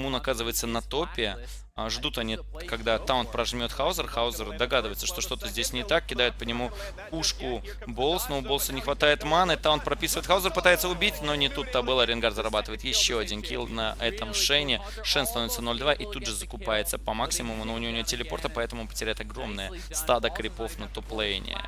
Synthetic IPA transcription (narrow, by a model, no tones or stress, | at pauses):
munɐkazɨvəjɪt̪sənɐt̪o̞pʲɪə | ʐd̪ut̪ɐnʲi | kɐɡd̪at̪aʊnt̪̚pɾɐʐmʲo̞t̪xaʊzərxaʊzʲərd̪ɐɡad̪ɨvəjɪt̪səʂt̪o̞ʂt̪o̞t̪əzʲdʲesʲnʲɪt̪ak̚kʲɪd̪ajʊt̪̚pənʲɪmu | kuʂkʊ | bolˠsnoʊbolˠsənʲɪxvɐt̪ajɪt̪manəɨt̪aʊnt̪pɾɐpʲisɨvəɪt̪xaʊzʲərpɨt̪ajɪt̪səʊbʲitʲno̞nʲɪt̪ut̪ːabɨlˠɐɾʲɪnɡarzəɾɐbat̪əvəjɪt̪jɪɕːoɐdʲinkʲḭlˠnɐʔɛt̪əmʂɛnʲɪ | ʂɛnst̪ɐno̞vɪt̪sənolʲd̪vaʔit̪udʐɨzəkʊpajɪt̪sːəpɐmaksʲɪmʊmʊnoʊnʲɪoʊnʲɪjotʲɪlʲɪpo̞̰rt̪əpɐɛt̪əmʊpə̥tʲɪɾʲæjɪt̪ɐɡɾo̞mnəjə | st̪ad̪əkɾʲɪpo̞fnət̪oplˠejnʲɪ̰